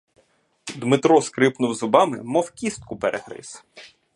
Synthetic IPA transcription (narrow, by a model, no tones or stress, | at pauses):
d̪mɪt̪ɾɔskɾɪpnʊwzɔbɑmɪmɔwkʲist̪̚kʊpeɾʔeɦɾɪ̰s